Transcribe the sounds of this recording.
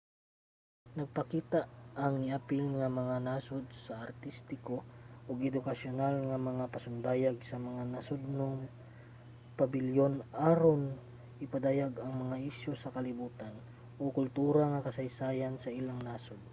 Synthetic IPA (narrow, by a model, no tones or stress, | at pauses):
nɐɡ̚pɐkiːt̪aʔɐŋnɪʔapɪlŋɐmɐŋanaːsod̪̚sɐʔɐɾt̪ist̪ɪkoʔoɡɛd̪ʊkɐsjonalŋɐmɐŋapɐsʊnd̪aːjaɡ̚sɐmɐŋanɐsʊd̪̚noŋ | pabɪljonʔaɾon | ʔɪpɐd̪ajaɡɐŋmɐŋaʔiʃjosɐkɐlɪbuːt̪an | okʊlt̪uːɾaŋɐkɐsɐjsaːjansɐʔilaŋnaːsod̪̚